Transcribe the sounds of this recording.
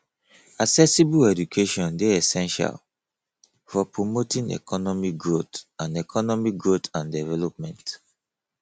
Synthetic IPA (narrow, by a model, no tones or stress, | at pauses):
aksɛsibuɛdukʰeʃɔ̃ndeɛsɛ̃nʃa̰l | fɔpɹomotĩŋɛ̰kɔnɔmiɡɹotãnɛkʰɔnɔmiɡɹotãndɛvɛlɔp̚mɛ̃nt